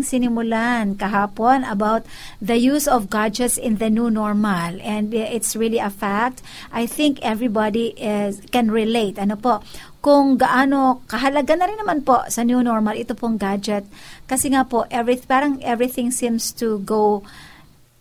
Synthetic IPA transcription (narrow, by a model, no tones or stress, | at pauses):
ŋsɪnɪmʊlankɐɦaːponɐbawt̪̚ | ðɐjusɔvɡad͡ʒɛt̪sɪ̃nðɐnjunɔɹmalɛ̃nd̪ʔɪt̪sɹiliɐfak̚t̪ | ʔajθɪ̃ŋkɛvɹibad̪iʔɪskɛ̃nɹɪlejt̪ʔɐnopoʔ | kʊŋɡɐʔaːnokɐɦɐlɐɡanɐɾɪnːɐmanposɐnjunɔɹmɐlʔɪt̪opoŋɡad͡ʒɛt̪̚kɐsɛŋapoʔɛvɹɪpaːɾɐŋʔɛvɹɪθɪ̃ŋsĩmst̪uɡow